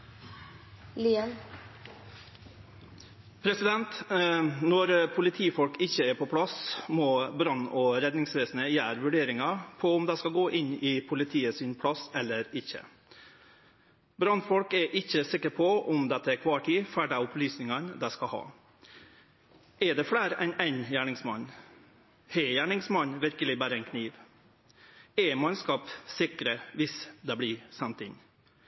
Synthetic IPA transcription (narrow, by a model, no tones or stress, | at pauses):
liːən | pʰɾɛsɪd̪ɛnt̪ | nɔɾpʰʊlɪt̪ʰiːfɔlkɪçːəɛːɾpʰɔpʰɽɑsmɔbɾɑnɔːɾɛd̪nɪŋsʋeːsnəjæːɾʋʉɖeːɾɪŋɑpʰɔʊmd̪æɪskɑlɡoːʔɪnɪpʰʊlɪt̪ʰiːəsɪnpʰɽɑsɛlːəɾɪçə̰ | bɾɑnfɔlkɛɾʔɪçːəsɪkːəɾpʰɔʔʊmd̪ɛt̪ːəɛkʰʋɑːʈʰiːfæɖæʊplyːsnɪŋɑnd̪æɪskɑhɑ̰ː | ɛɖ̪ɛfɽæːɾɛnæɪnjæːɳɪŋsmɑn | hɛjæːɳɪŋsmɑnʋɪɾkəlɪbæːɾəɛɪnkʰniːʋ | ɛmɑnskɑːpsɪkɾəʋɪsd̪ɛbliːsɛnt̪ɪn